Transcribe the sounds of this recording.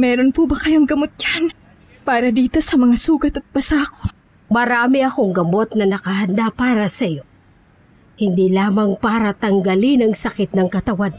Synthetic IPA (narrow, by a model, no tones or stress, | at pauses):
mɛːɾonpubɐkɐjoŋɡɐmot̪̚d͡ʒan | paːɾɐd̪iːt̪o̞sɐmɐŋasuːɡɐt̪ɐt̪̚bɐsaːko | mɐɾaːmɪʔɐko̞ŋɡɐmo̞t̪̚nɐnɐkɐhɐnd̪apaːɾɐsɐjo̞ | hɪnd̪ilaːmɐŋpaːɾɐt̪ɐŋɡɐlɪnɐŋsɐkɪt̪̚nɐŋkɐt̪ɐwan